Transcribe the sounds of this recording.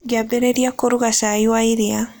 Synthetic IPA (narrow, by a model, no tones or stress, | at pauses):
ɡjabeɾeɾjakoɾuɣasajwaiɾea